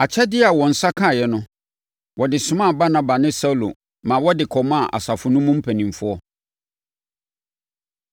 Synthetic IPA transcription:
a˨t͡ɕʰɛ˦dɪ˦a˨wɔ̃˨n̩˨sa˦kʰã˦˨jɛ˦nʊ̃˦ | wʔɔ˨dɪ˨sʊ̃˦mã˦˨ba˦nã˦ba˨nɪ̃˦sa˦u˦˨lo̰˨ | mã˨wɔ˦dɪ˨kʰɔ˨mã˦˨ʔa̰˨sa˨fʊ˨nʊ̃˦mʊ̃˦m̩˦pʰɛ˨nĩ˨m˨fʊ˦ɔ˦

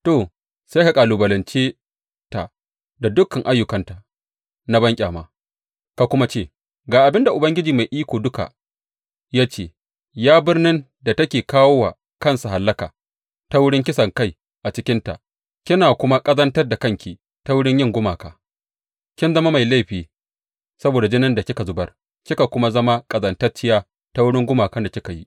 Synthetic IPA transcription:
toː˨ | sa˦ka˨kʼaː˨luː˨bɐ˨lɐ˨nt͡ʃeː˦ | ta̰˨ʔ | da˨dʊ˦kːɐ˨ŋʔa˦jːʊ˨kɐ˦nta˨ | na˦bɐ˦ŋkʲʼa̰ː˨ma̰ː˦ | ka˨kʷʊ˦ma˦t͡ʃeː˦˨ | ɡaː˨ʔa˨bɪ˦nda˨ʔʊ˨bɐ˦ŋɡʲɪ˦d͡ʒiː˨ma˨jʔiː˦kʷoː˨dʊ˦ka̰˨ | jaː˦t͡ʃeː˦˨ | jaː˦bɪ˦rnɪ˦n | da˨tɐ˦kʲeː˨kaː˦woː˦wa̰ː˨ | kɐ˦˨nsa˨ɦa˨lːɐ˦ka̰ː˨ | ta˦wʊ˦ɽɪ˦ŋkʲɪ˦sɐ˨ŋka˦˨j | ʔa˨t͡ʃɪ˦kʲɪ˦nta̰˨ʔ | kʲɪ˦naː˨kʷʊ˦ma˦kʼɐ˦zɐ˦ntɐ˦rda˨kɐ˦˨ŋkʲi˨ | ta˦wʊ˦ɽɪ˦ɲjɪ˦˨ŋɡʷʊ˦maː˨kaː˨ | kʲɪ˦nzɐ˦ma˦ma˨jla˦˨jɸiː˨ | sɐ˦boː˨da˨d͡ʒɪ˦nɪ˦nda˨kʲɪ˦ka˨zʊ˦bɐ˦r | kʲɪ˦ka˨kʷʊ˦ma˦zɐ˦ma˦kʼɐ˨zɐ˦ntɐ˦rt͡ʃɪ˦jaː˦ | ta˦wʊ˦ɽɪ˦ŋɡʷʊ˦maː˨kɐ˦nda˨kʲɪ˦ka˨ji˦

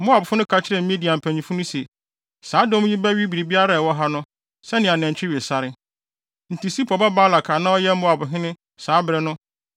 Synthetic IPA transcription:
m̩˦bʊ˦a˨bʊ˨fʊ˦nʊ̃˦kʰa˦t͡ɕʰɪ˦ɾɛ˨m̩˦mĩ˦di˨a˨m̩˨pʰæ˨ɲĩ˨fʊ˦nʊ̃˦se˨ | saː˨˦dõ˦m˦jĩ˦bæ˦ɥi˦bi˨ɾi˨bi˦a˦ɾa˨wɔ˦ɦa˦nʊ̃˦ | sɛ˦nɪ̃˨a˨nɛ̃˨ɲ̩˨t͡ɕᶣɪ˦ɥe˨sa˦ɾɪ˦ | n̩˨ti˨si˦pʰɔ˨ba˦baː˦la˨kʰa˨nã˦ɔ˦jɛ˦m̩˦ʊ̃˦a˨bʊ˨ɦɪ̃˦nɪ̃˦ | saː˨˦bɾɛ˦nʊ̃˦

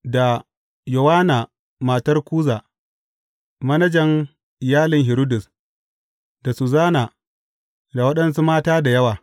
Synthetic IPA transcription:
da˨ | jʊ˨waː˦naː˨ | maː˨tɐ˦rkʷuː˦zaː˨ | mɐ˦nɐ˦d͡ʒɐ˨ŋ | ɪ˨jaː˦lɪ˨ŋɦɪ˨ɾʊ˦dʊ˨s | da˨su˨zaː˦na˨ | da˨wɐ˦ɗɐ˦nsu˦maː˦taː˦da˨jɐ˦waː˨

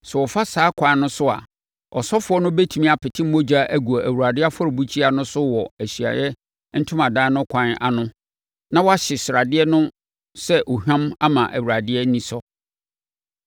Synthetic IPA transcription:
sɛ˨wɔ˨fa˦saː˨˦kʷʰã˨n˦nʊ̃˦sʊ˦a̰˨ | ɔ̰˨sɔ˦fʊ˨ɔ˦nʊ̃˦be˦tʰu˨mĩ˦a˨pʰɪ˨tʰɪ˦m̩˦mo˦d͡ʑa˦ʔæ˦ɡu˨a˨ʔæ˨wu˨ɾa˨dɪ˦a˦fɔ˦ɾʊ˨bu˦t͡ɕʰi˦a˨nʊ̃˦sʊ˦wɔ˨æ˨ɕi˨a̰˨jɛ˦ | n̩˦tʰʊ̃˦mã˨dãː˦nʊ̃˦kʷʰã˨na̰˨nʊ̃˦ | nã˦wɔ˦a˦ɕɪ˨sɪ˨ɾa˨dɪ˦ɛ˦nʊ̃˦ | sɛ˦ʔo˨ɦᶣã˦ma˦mã˨ʔæ̰˨wu˨ɾa˨dɪ˦ɛ˦nĩ˦sɔ˦

